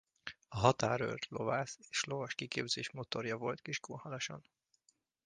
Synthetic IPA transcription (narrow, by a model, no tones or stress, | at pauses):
ɒɦɒt̪aːɾø̰rt̪lo̞̰vaːse̥ːʃlo̞vɒʃkikeːbzeːʃmo̞t̪o̞rjɒvo̞lt̪kiʃkoːhalɒʃɒ̰n